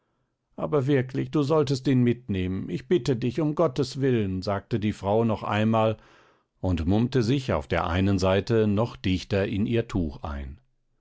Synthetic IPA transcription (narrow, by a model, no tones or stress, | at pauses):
ʔa̰ːbɐvɪɐklɪçd̥uːzɔltəstiːnmɪtneːmənʔɪçb̥ɪtədɪçʊmɡɔtəsv̥ɪlənzaːk̚tədiːfʁ̥aʊnɔχʔa̰ɪnmaːl | ʊntmʊmtəzɪça̰ʊfd̥eːɐʔa̰ɪnənzaɪtənɔχd̥ɪçtɐʔɪnʔiːɐtʰuːxʔa̰ɪn